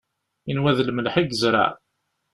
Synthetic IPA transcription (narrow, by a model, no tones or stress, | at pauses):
inwæðləməlħiɡəzɾˤa̰ʕ